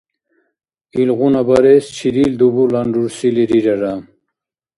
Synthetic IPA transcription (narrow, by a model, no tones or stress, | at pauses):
ilʁunɐbɐɾest͡ɕʰiɾild̪ubulɐnɖuɾsiliɾiɾɐɾam